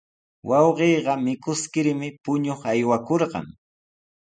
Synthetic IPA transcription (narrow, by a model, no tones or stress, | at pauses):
wɑwɢeːɢɑmɪkʊskɪɾmɪpʊɲoχajwakoɾɢɑ̰ŋ